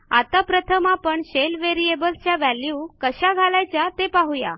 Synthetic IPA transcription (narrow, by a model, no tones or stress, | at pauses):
at̪apɾət̪ʰəmapəɳɕelʋeɾiebəlt͡ɕjaʋæljuːkəɕaɡʱalajt͡ɕjat̪epaɦuja̰